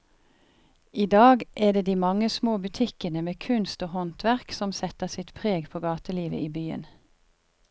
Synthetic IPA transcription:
ʔiːd̪ɑːɡʔæːd̪eːd̪iːmɑŋəsmoːbʉt̪ʰɪkənəmeːkʰʉnst̪oːhɔnt̪ʋæʁksɔmsɛt̪əʁsɪt̪pʰʁeːɡpʰoːɡɑːt̪əliːʋə̰ʔiːbyːə̰n

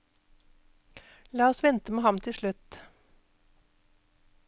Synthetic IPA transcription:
lɑːɔsʋɛnt̪əmeːhɑmt̪ʰɪʃɭʉt̪

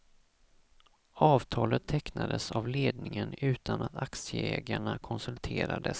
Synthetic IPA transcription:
ɑːvt̪ʰɑːlət̪ʰːɛknad̪əsavleːd̪̚nɪŋənʉ̟ːt̪ʰanat̪aksjəɛːɡ̪aɳakʰɔnsɵlt̪ʰeːɾad̪əs

